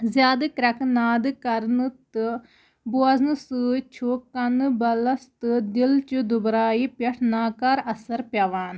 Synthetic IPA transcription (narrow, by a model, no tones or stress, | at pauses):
zjaːd̪ɐkɾɐknaːd̪kɐɾnɨt̪ɨ | boaznɨsɨt͡ʃʰokɐnbɐlɐst̪ɨd̪ɪlt͡ʃud̪ʊbɾaːiːpjɐʈʰnaːkaɾɐsəɾpjaːʋaːn